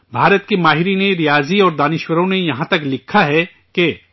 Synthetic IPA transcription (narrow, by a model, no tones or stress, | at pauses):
bʱaːɾət̪̚kemaːɦɪɾineɾijaːziɔːɾd̪aːnɪʃwəɾõnejɐɦãt̪ɐklɪkʰːaɦɛ | ke